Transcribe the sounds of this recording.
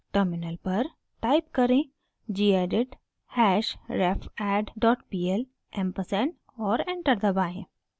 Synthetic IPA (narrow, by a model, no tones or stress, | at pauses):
ʈəɾmɪnəlpɐɾ | ʈaːɪp̚kɐɾẽ | d͡ʒiːeːɖɪʈ | hɛːʃɾeːpʰɛːɖɖɔːʈpiːɛl | ʔɛ̃mpəsɛn | ɔːɾẽːɳʈəɾd̪ɐbaːɦẽː